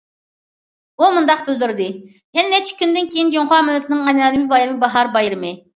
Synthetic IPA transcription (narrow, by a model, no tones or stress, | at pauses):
umund̪ɑq̚bɪld̪yɾd̪ɪ | jɛnɪnɛt͡ʃʰi̥kʲynd̪ɪnkʲʰejind͡ʒoŋχɑːmɪlːɛt̪ʰnɪŋɛnɑːlɨmɪbɑjɾɨmɪbɑɦɑɾbɑjɾɪmɪ